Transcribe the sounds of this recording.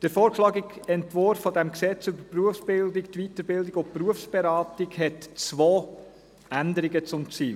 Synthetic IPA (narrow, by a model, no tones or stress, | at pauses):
d̥əɾfoːɾkʃlɑːɡɪɡɛntvʊɾfːɔdɛmksɛt͡sybəpruəfsb̥ɪldɪkt̪ʋitəɾbɪldɪɡʊpruəfsb̥ɛɾɑːtɪɡhɛtt͡sʋoː | ændəɾɪɡət͡sʊmt͡siːl